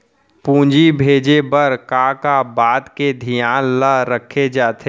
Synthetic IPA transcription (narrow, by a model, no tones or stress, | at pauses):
pũːd͡ʒibʱeːd͡ʒebəɾkaːkabaːd̪ked̪ʱijaːnləɾəkʰːed͡ʒaːt̪ʰe